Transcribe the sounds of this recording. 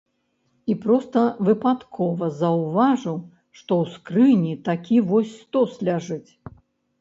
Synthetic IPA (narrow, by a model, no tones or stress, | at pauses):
ipɾɔst̪ɐvɨpat̪kʰɔvɐzɐwvaʐɨw | ʂt̪ɔwskɾɨnʲit̪akʲivɔsʲst̪ɔslʲaʐɨt͡sʲ